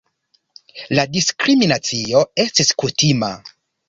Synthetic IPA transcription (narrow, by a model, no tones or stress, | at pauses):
ladiskɾiminat͡sio̞e̞stiskutima̰